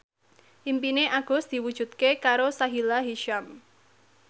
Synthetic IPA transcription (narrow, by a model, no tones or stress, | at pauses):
ʔimpineʔaɡ̥ɔ̤sd̪̥i̤wud̥ʒ̥ṳt̪̚kekaɾosaɦilaɦiʃam